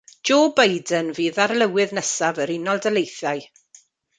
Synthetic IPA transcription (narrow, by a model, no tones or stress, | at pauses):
d͡ʒoːbajdənviːðarlˠəwɪðnəsavəɾɪnɔlˠdəlˠejθaɨ